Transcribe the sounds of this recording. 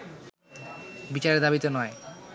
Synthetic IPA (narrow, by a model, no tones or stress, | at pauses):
bit͡ɕaɾed̪abit̪onɔe